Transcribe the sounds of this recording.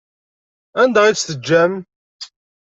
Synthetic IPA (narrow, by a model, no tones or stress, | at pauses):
ænd̪æʁisθəd͡ʒːæm